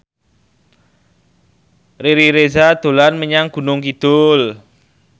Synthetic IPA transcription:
riɾiɾezad̪̥o̤lanməɲaŋɡ̥ṳnʊŋkid̪̥ʊl

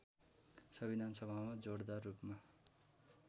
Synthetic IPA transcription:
sʌbid̪ʱansʌbʱamad͡zoɽd̪arupma

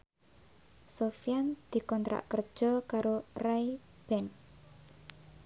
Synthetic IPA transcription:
sofijand̪̥i̤kɔnt̪ɾa̰ʔkərd̥ʒ̥ɔkaɾorai | b̥ɛn

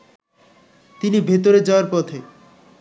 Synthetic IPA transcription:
t̪inibʱet̪oɾed͡ʑɔoaɾpɔt̪ʰe

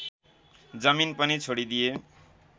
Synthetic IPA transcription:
d͡zʌminpʌnit͡sʰoɽid̪ije

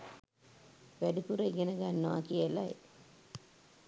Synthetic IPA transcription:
ʋæɖipuɾəjɡenəɡanːəʋa̰kiəlaj

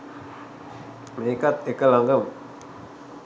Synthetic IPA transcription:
meikat̪̚ekəlaŋɡəm

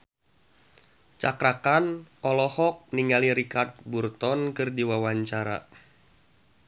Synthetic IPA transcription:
t͡ʃakɾakanɔlɔhɔk̚niŋɡaliɾikart̪̚burt̪ɔnkɨrdiwawaɲt͡ʃaɾa̰

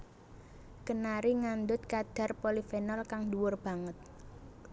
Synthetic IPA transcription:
kənaɾiŋand̪ʊt̪̚kad̪̥a̤rpolifɛnɔlkaŋduwʊrb̥a̤ŋət̪̚

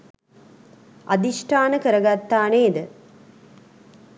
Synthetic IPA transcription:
a̰d̪iʂʈʰaːnəkəɾəɡat̪ːaːneːd̪ə

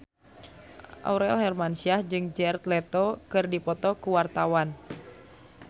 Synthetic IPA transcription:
ʔa̰uɾɛlɦɛrmansiahd͡ʒɨŋd͡ʒɛrt̪lɛt̪ɔkɨrdipɔt̪ɔkuwart̪awan

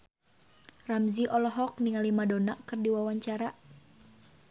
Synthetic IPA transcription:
ramziʔɔlɔɦɔk̚niŋalimadonaʔkɨrdiwawaɲt͡ʃaɾa

